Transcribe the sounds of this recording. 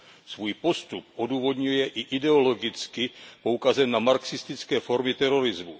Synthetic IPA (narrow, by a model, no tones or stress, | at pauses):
svuːjpo̞st̪up̚ʔoduːvo̞dɲujɛʔɪʔɪdɛo̞lo̞ɡɪt͡skɪpo̞ukazɛnːamaɾksɪst̪ɪt͡skɛːfo̞ɾmɪt̪ɛɾo̞ɾɪzmṵ